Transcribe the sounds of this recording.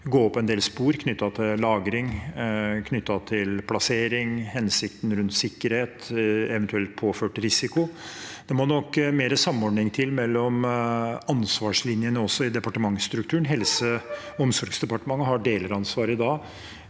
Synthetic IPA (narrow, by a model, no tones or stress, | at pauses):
ɡoːɔpʰːɔɛnd̪eːlspuːɾkʰnʏt̪ːɑt̪ʰɪlɑːɡɾɪŋ | kʰnʏt̪ːɑt̪ʰɪlpʰlɑseːɾɪŋhɛnsɪkt̪n̩ɾʉnt̪sɪkːəɾheːt̪ɛʋɛnt̪ʉɛlt̪̚pʰoːføːʈɾɪsɪkʊd̪̥ɛmɔnɔkːmeːɾəsɑmːɔɖnɪŋt̪ʰɪlmɛlːɔm | ɑnsʋɑːʂlɪnjənəɔsːɔɪd̪ɛpɑʈəmɑŋst̪ɾʉk̚t̪ʰʉːəɳ̩ɦɛlsə | ɔmsɔɾɡsd̪ɛpɑʈəmɑŋːəɦɑɖeːləɾɑnsʋɑːɾɪd̪ɑː